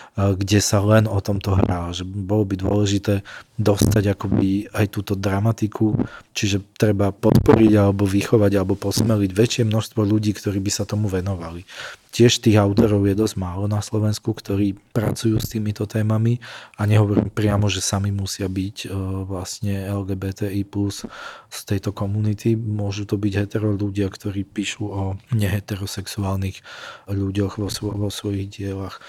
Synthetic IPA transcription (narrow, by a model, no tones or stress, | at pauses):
ɡɟɛsalɛnɔt̪ɔmt̪ɔɦɾaːlʒɛbɔlɔbid̪ʊɔ̰lɛʒit̪ɛːd̪ɔst̪aɟakɔbiajt̪uːt̪ɔd̪ɾamat̪ikʰut͡ʃiʒɛt̪ɾɛbapɔt̪pɔ̰ɾiɟalɛbɔʋixɔʋaɟalɛbɔpɔsmɛliɟʋɛt͡ʃɪɛmnɔʃst̪ʋɔʎuɟiːkt̪ɔɾiːbisat̪ɔmuʋɛnɔʋalicɪɛʃt̪iːɣaʊt̪ɔɾɔʊjɛd̪ɔzɟmaːlɔnaslɔʋɛnskukt̪ɔɾiːpɾa̰t͡sujuːst̪iːmit̪ɔt̪ɛːmamiaɲɛɦɔʋɔɾḭːmpɾɪamɔʒɛsamimusɪabicʋlasɲɛɛlɡɛːbɛːt̪ɛːiːplusst̪ɛjt̪ɔkɔmunit̪imʊɔʒut̪ɔbiɟɦɛt̪ɛɾɔʎuɟɪakt̪ɔɾiːpiːʃuɔɲɛɦɛt̪ɛɾɔsɛksuaːlnixʎuɟɔxʋɔsʋɔʋɔsʋɔjiɣɟɪɛlax